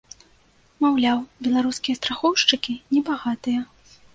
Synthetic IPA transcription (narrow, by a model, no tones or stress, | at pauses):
mawlʲawbʲɛlˠaɾuskʲijɐst̪ɾaxɔwʂt͡ʂɨkʲinʲɛbaɣat̪ɨjɐ